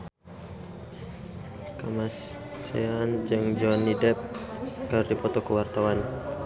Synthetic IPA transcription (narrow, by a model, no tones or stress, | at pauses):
kamasː | ḛand͡ʒɨŋd͡ʒɔanːidɛp̚kərdipɔt̪ɔkəwart̪awan